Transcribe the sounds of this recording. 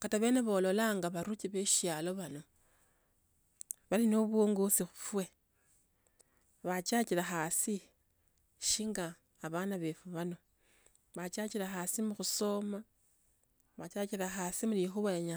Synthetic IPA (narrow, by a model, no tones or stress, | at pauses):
kataβe̞ːne̞βo̞ːlo̞laŋɡaβaɾut͡ʃiβeʃjaːlo̞βano̞ | βalino̞βwoŋɡosixufwe̞ | βat͡ʃat͡ʃiɾaxasi | ʃiŋɡaː | βanaβe̞fuβano̞ | βat͡ʃaciɾaxasimuxuso̞ma | βat͡ʃaciɾaxasimulixuβajeɲa